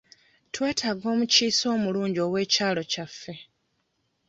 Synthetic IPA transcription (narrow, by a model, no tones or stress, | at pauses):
twe̞ːtʰaɡo̞ːmuciːso̞ːmuluːɲɟo̞ːwe̞ːcaːlo̞cafːe̞